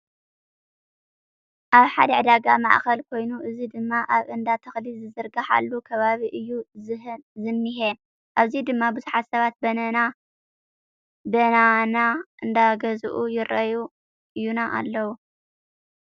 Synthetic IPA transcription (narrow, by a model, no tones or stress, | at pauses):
ʔaβħad̪ɐʕɨd̪aɡamaʕxɐlkʰo̞jnuʔɨzid̪ɨmːaʔaβʔɨnd̪at̪ʰɐxlizɨzɨɾɡaħa̰lːukʰɐβaβiʔɨjːu | zɨmːiɦe | ʔaβzid̪ɨmːabɨzuħat̪sɐβat̪̚bɐnɐna | bɐnanaʔɨnd̪aɡɐzuʔujɪɾʔɐju | ʔɨjːunaʔa̰lːɐwu